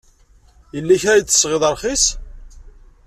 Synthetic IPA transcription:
jəlːæçaiə̥sʁɪðˤəɾˤχis

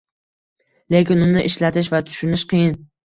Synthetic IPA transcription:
le̞kʲɪnʊnɪʔɪʃlat̪ʰɪʃvat̪ʰʊ̥ʃʊnɪʃqɨjɪn

